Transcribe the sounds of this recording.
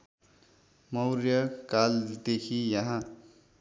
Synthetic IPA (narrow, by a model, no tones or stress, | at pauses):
mʌwrjʌkald̪ekʰijʌɦã